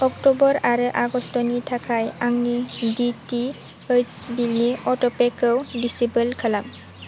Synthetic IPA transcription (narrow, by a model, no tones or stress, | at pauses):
ɔktɔbɔɾaɾɯʔaɡɔstɔnitʰakʰajaŋniditi | əsbiliɔtɔpekɯwdisibəlkʰalam